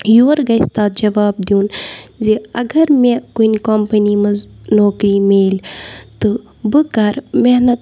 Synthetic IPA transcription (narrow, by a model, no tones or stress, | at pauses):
joːɾɡɐjst̪aːt̪̚d͡ʒɐʋaːb̚d̪iuːnd͡ʒeɐɡɐɾmẽkuinkompɐnimɐznoːkɾiːmeːlʲt̪ɨ | bɨkɐɾmeɦnɐt̪